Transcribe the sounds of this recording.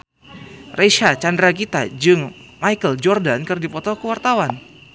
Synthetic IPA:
rʔeʃat͡ʃandɾak̬it̪a̰d͡ʒɨŋmajkəld͡ʒɔrdankɨrdipɔt̪ɔkəwart̪awan

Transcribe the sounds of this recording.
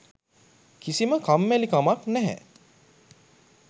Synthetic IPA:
kisiməkamːælikamaknæɦɛ̰

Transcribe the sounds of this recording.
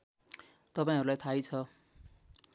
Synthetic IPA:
t̪ʌpaĩʌɾulajt̪ʰajt͡sʰʌ

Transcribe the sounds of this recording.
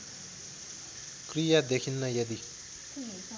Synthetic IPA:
krijad̪ekʰinːʌjʌd̪i

